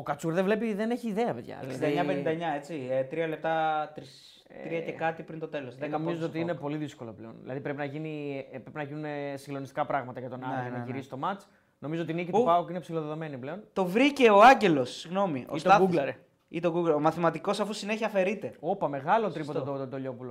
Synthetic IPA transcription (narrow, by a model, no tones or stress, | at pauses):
okɐt͡suɾðevlepiðeneçiːðeɐpeðʝɐ̰sind̪ɐeɲɐpenind̪ɐeɲɐe̞t͡siet̪ɾiɐle̞p̚t̪ɐt̪ɾis | t̪ɾiɐce̞kɐt̪ipɾint̪o̞t̪e̞losenomizoot̪iinepo̞liðisko̞lo̰pleonðilɐ̰ðipɾe̞pinɐʝinipɾepinɐʝinunesiŋɡlo̞nist̪ikɐpɾɐɣmɐt̪ɐʝɐt̪o̞nɐonɐʝiɾisi̥t̪o̞mɐt͡s | no̞mizoot̪inicitupɐokuinepsilo̞ðeðo̞me̞nipleont̪o̞vɾice̞o̞ɐɲɟe̞lo̞sːiɣno̞mio̰tst̪oɐuɡleɾ | it̪o̞ɡuɡleɾomɐθimɐt̪iko̞sɐfusine̞çiɐfe̞ɾit̪e̞o̞pɐme̞ɣɐlot̪ɾipot̪et̪od̪oʎo̞pulo